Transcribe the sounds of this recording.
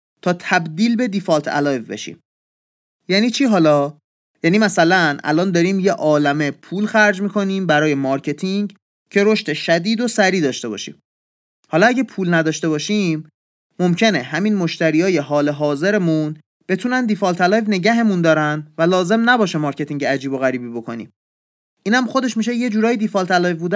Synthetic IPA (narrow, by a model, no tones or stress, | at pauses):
t̪ʰɒːt̪ʰæbd̪iːlbe̞d̪ifɒlt̪ʰæ̰lɒjvbe̞̰ʃḭːm | jæːniːt͡ʃʰiːɦɒːlɒː | jæːniːmæsælænʔæ̰lɒːnd̪ɒːɾiːmje̞ʔɒːlæme̞pʰuːlxæɾd͡ʒmiːkʰo̞niːmbæɾɒːje̞mɒːɾcʰe̞t̪ʰiŋɡ | cʰe̞ɾo̞ʃt̪e̞ʃæd̪iːd̪o̞sæɾiːd̪ɒːʃt̪e̞bɒ̰ːʃḭːm | hɒːlɒæɟæpʰuːlnæd̪ɒːʃt̪e̞βɒːʃimː | o̞mcʰe̞ne̞ɦæminmo̞ʃt̪æɾiːɒːje̞ɦɒːle̞ɦɒːze̞ɾemun | b̥e̞t̪ʰuːnænd̪ifɒːlt̪ʰælɒːjvne̞ɟæɦe̞mund̪ɒːɾænvælɒːze̞mnæbɒːʃemɒːɾcʰe̞t̪ʰiŋɟeæd͡ʒiːbo̞ɣæɾiːbiːbo̞kʰo̞nḭːm | ʔiːnhæmχo̞d̪e̞ʃmiʃ̬e̞je̞d͡ʒuːɾɒːjid̪ifɒlt̪ʰælɒːvbuːd̪æ